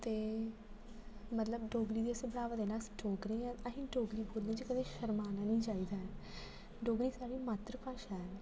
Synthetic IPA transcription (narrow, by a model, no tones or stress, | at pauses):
t̪eː | mət̪ləbɖoːɡɾiːd̪iːəsə̃ːbəɽaːʋəd̪eːnaːst͡ʃʰoːkɾeãːəɦĩːɖoːɡɾiːboɾd̪ẽːd͡ʒikəd̪ẽːʃəɾmaːnaːnĩːt͡ʃaːiːd̪aːɛː | ɖoːɡɾiːsaːɽiːmaːt̪ɾəpaːʃaːɛ